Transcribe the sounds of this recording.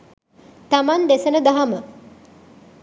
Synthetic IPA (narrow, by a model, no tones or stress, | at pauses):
t̪amand̪esənəd̪aɦamə